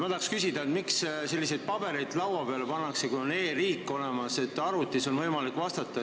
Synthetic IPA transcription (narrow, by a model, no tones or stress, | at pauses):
mɑt̪ɑkskysʲid̪ɑet̪miksse̞lːise̞jd̪̥̚pɑb̥e̞ɾejd̪lɑwɑpeɑlepɑnːɑksekujo̞ne̞ːriːkˑːo̞lemɑse̞t̪ːˑɑɾut̪ːˑiso̞nvɤjmɑlikːˑvɑst̪ɑt̪ːˑɑ